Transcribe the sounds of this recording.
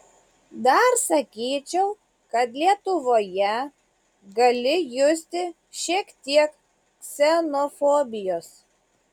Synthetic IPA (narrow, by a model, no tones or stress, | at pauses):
d̪ɐɾsɐkʲiːt͡ʃʲɛʊ | kɐt̪lʲiɛt̪ʊʋoːjɛ | ɡɐlʲɪjʊsʲt̪ʲɪ | ʃʲiɛkt̪ʲiɛk | ksʲɛnofɔːbʲɪjoːs